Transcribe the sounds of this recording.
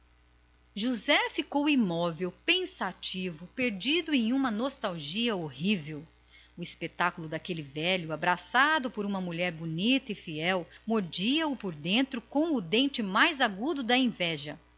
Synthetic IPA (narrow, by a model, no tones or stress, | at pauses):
ʒuzɛfikowimɔvewpẽsat͡ʃivʊpeɾd͡ʒid̪ʊẽj̃ũmɐnost̪awʒiɐohivew | ʊispet̪akulʊd̪akelɪvɛʎʊabɾasad̪ʊpoɾũmɐmuʎɛɾbunit̪ɐifiɛwmoɾd͡ʒiɐʊpoɾd̪ẽnt̪ɾʊkõw̃ʊd̪ẽnt͡ʃɪmajzaɡud̪ʊd̪ɐẽvɛʒɐ